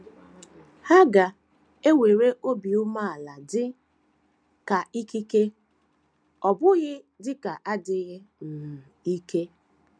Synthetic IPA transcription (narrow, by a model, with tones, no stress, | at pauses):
ha˦ɡa˨ | e˦we˨ɾe˦ʔo˦bi˨ʊ˦ma˦a˨la˨dɪ˦ | ka˨i˦ki˦ke˦ | ɔ˨bʊ˦ɣɪ˦ | dɪ˦ka˨ʔa˦dɪ˦ɣɪ˦n̩˨i˦ke˦